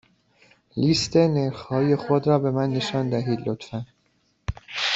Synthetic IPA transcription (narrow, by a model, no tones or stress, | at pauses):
liːst̪ʰe̞neɾxhɒːje̞xod̪ɾɒːbe̞mænːe̞ʃɒːnd̪æɦiːd̪lot̪fæn